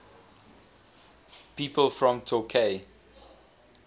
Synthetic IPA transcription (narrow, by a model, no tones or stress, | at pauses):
piːpəlfɹɔ̃mtʰokʰe